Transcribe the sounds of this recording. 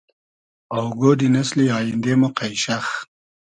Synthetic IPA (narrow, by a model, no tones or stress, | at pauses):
awɡoːd̪inɐsliɑːjind̪emoqajʃax